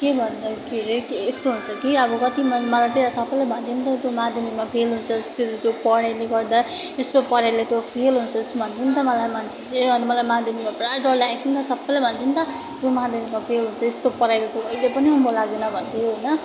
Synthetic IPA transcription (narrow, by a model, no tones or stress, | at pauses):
kebʱʌnd̪akʰiɾikeːst̪oɦunt͡sʰʌkiʌbʌkʌt̪imʌmʌlajt̪eɾasʌbːʌjlabʱʌnt̪int̪ʌt̪jomad̪ʱjʌmimapʰelɦunt͡sʰʌst̪iɾt̪jopʌɽajleɡʌrd̪a | est̪opʌɾajlet̪jopʰelɦunt͡sʰʌest̪obʱʌnt̪ʰint̪ʌmʌlajmansʰit͡seʌmʌlajmad̪ʱjʌmimaprajɖʌrlakʰint̪ʌsʌbːʌjlabʱʌnt̪int̪ʌ | t̪jomaɦad̪ʱjʌmimapʰelɦunt͡sʰʌest̪opʌɾajlat̪joʌjlepʌniɦʌmolaɡ̪enʌbʱʌnt̪ijoɦonʌ